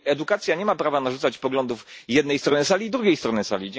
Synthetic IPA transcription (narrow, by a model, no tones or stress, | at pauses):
ɛd̪ukat̪sʲjaɲɛmapɾavanaʐut̪at͡ɕpɔɡlɔnd̪ufjɛd̪nɛjst̪ɾɔnɘsalʲiːd̪ɾuɡʲejst̪ɾɔnɘsa̰lʲid͡ʑ